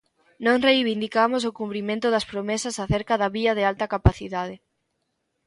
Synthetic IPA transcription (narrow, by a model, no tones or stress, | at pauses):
nõŋrejβind̪ikamosokumpɾimẽnt̪ʊðɐspɾomesɐsaθeɾkaðɐβiɐðɪalt̪ɐkapaθiðað̞ɪ